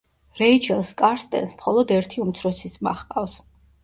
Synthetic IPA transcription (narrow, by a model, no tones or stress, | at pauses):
ɾɛit͡ʃʰɛlˠskʼaɾst̪ʼɛ̰nsmχɔlˠɔd̪ɛɾt̪ʰiumt̪sʰɾɔsisma̰χqʼafs